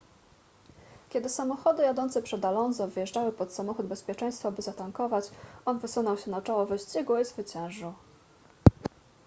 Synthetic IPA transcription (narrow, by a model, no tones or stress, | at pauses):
kʲɛd̪ɘsamɔxɔd̪ɘjad̪ɔnt̪sɛpʂɛd̪alɔnzɔ̃vɘjɛʐd͡ʐawɘpɔt̪samɔxud̪bɛspʲjɛt͡ʂɛ̃j̃st̪fɔbɘzat̪aŋkɔvat͡ɕɔnvɘsunɔwɕɛnat͡ʂɔwɔvɛɕt͡ɕɛɡwɔzvɘt͡ɕɛ̃w̃ʐu